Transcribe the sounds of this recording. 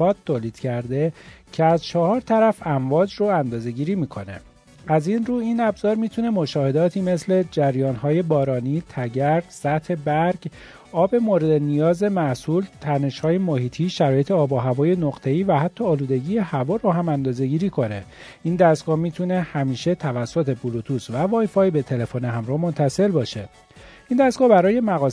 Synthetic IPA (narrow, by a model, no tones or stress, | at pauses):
ɒːt̪ʰːoːliːd̪̥cʰæɾd̪e̞cʰeæzt͡ʃʰɒhɒːɾt̪ʰæɾæfæɱvɒːd͡ʒroænd̪ɒːze̞ɟiːɾiːmiːkʰo̞̰ne̞̰ | æzinruːinæbzɒːɾmiːt̪ʰune̞mo̞ʃɒːhe̞d̪ɒːt̪ʰiːme̞sle̞d͡ʒæɾjɒːnɦɒːje̞bɒːɾɒːniːt̪ʰæɟæɾd̪̥sæt̪he̞bæɾɡ | ɒːbe̞moɾe̞d̪e̞nijɒːze̞mæʔsuːlt̪ʰæne̞ʃhɒːjemohiːt̪ʰiːʃæɾɒːje̞t̪ʰeɒːboɦævɒːje̞noɣt̪ʰe̞iːvæhæt̪ʰːɒːluːd̪e̞ɟiːje̞hævɒːɾoɦæmænd̪ɒːze̞ɟiːɾiːkʰo̞ne̞ | ind̪æsɡɒːmiːt̪ʰune̞hæmiːʃe̞t̪ʰævæsːot̪ʰe̞bulut̪ʰuːsvævɒːjfɒːjbe̞t̪ʰe̞le̞foniɦæmɾɔːmo̞nt̪ʰæse̞lbɒːʃe̞ | ʔiːnd̪æsɡɒːbæɾɒːje̞mæɣɒː